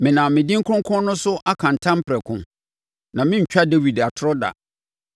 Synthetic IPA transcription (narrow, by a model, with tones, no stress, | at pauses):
mɪ̃˨nã˨mɪ̃˨dĩ˦ŋ̩˦kʰɾʊ̃˦ŋkʰʊ̃˦nʊ̃˦sʊ˦ʔa˦kʰã˨n̩˨tʰã˦m˦pʰɾɛ˨kʰʊ̰̃˨ | nã˨mɪ̃˦ɲ̩˨t͡ɕᶣa˦de˦wi˨da˨tʰʊ˦ɾɔ˦da̰˨